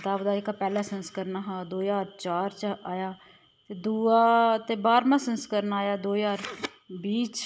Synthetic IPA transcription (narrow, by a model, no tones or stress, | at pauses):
t̪aːbd̪aːɪkaːpɛːlaːsənskəɾnaːɦãːd̪oːjaːɾt͡ʃaːɾt͡ʃaːjaː | t̪eːd̪uːaːt̪eːbaːɾmãːsənskəɾnaːjaːd̪oːjaːɾ | biːt͡ʃ